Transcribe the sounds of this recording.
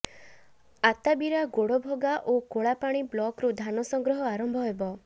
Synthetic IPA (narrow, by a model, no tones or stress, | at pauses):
at̪abiɾaɡoɽɔbʱoɡaʔokoɭapaɽ̃iblɔkɾud̪ʱanɔsɔŋɡɾɔɦɔaɾɔmbʱɔɦebɔ